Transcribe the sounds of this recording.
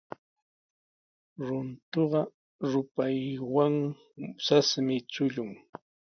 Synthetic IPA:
ɾʊnt̪oɢɑ | ɾʊpajwaŋ | sasmɪt͡sʊʎʊŋ

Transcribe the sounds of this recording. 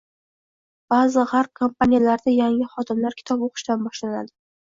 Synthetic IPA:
b̥azɨʁaɾkʰomp̚ʰanijalaɾd̪ajaŋɪχɒd̪ɪmlaɾkʲʰɪ̥t̪ʰɒpoqɨ̥ʃt̪anbɒʃlana̰d̪ɪ

